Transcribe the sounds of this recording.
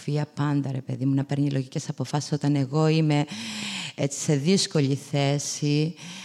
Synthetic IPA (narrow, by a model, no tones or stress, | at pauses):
fiɐpɐnd̪ɐɾe̞pe̞̰ðimunɐpe̞ɾɲilʔo̞ʝice̞sɐpo̞fɐsi̥so̞t̪ɐne̞ɣo̞ime̞ | et͡si̥se̞ðisko̞ʎiθe̞si